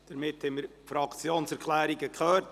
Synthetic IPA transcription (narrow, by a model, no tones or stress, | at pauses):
d̥əɾmɪthɛməɾfɾɑkt͡sjoːnsɛɾkʰlæːɾiɡəkχœːt